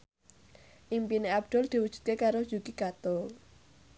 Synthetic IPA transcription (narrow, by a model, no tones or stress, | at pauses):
ʔimpineab̚d̪̥ɔ̤ld̪̥i̤wud̥ʒ̥ṳ̥t̪̚kekaɾod̥ʒ̥ṳɡ̥iɡ̥at̪ʊl